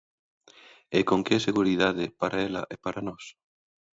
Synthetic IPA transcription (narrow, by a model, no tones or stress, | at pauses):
ekoŋkɛseɣuɾiðaðɪpaɾaɛlɐ̰ʔepaɾanɔs